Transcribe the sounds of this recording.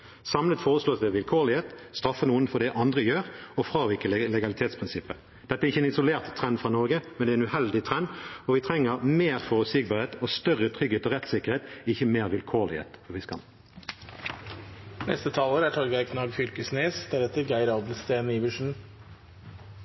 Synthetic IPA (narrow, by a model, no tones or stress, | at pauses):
sɑmlət̪foːʁəsloːsd̪ɛːʋɪlkʰoːlɪheːt̪st̪ʁɑfənuːənfɔd̪ɛʔɑnd̪ʁəjøːʁɔfɾɑːʋɪkəllɛɡɑlɪt̪ʰeːt̪spʰʁɪnsɪpːə | d̪̥ɛt̪əæɛɾɪçːəɛnɪsʊleːʁt̪ʰːʁɛnd̪fʁɑːnɔʁɡəmɛnd̪ɛːɛnʉhɛld̪ɪt̪ʰʁɛnɔʋɪt̪ʰɾɛŋːəʁmeːʁfɔːʁʉsiɡ̚bɑːʁheːt̪oːst̪œʁət̪ʰʁʏɡheːt̪oːʁɛt̪sɪkːəʁheːt̪ɪçəmeːʁʋɪlkʰoːʁlɪ̰hḛːt̪fɔʋɪskɑ̰l | nɛ̰st̪ət̪ʰɑːləɾæːʈʰɑlɡɑkʰnɑːɡfʏlkəsneːsd̪̥ɛd̪ɛt̪əɡæɪɾɑːblst̪eːnəiʋʉʂɳ̩